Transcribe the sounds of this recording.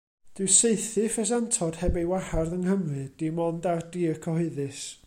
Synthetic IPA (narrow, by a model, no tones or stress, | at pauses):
d̥ɪseɨθɨfɛs̬antʰɔd̥hɛbejwaharðəŋhəmrɨd̥imɔndardiːəkʰɔhɨɨðɨs